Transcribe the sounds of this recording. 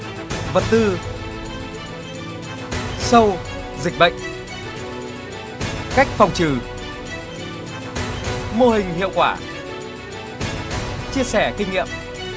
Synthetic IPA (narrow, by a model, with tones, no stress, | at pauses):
və˨˩t̚t̪ɨ˧ | sə˧w | zï˨˩k̟̚ɓə̰˧˨jŋ̟ | ka˦˥jk̟̚fa˨˩wŋ͡mt͡ɕɨ˨˩ | mo˧hï˨˩ŋ̟hḭ˧˨əwkwaː˧˩ | t͡ɕi˧əsɛ˧˩kï˧ŋ̟ŋḭ˧˨əm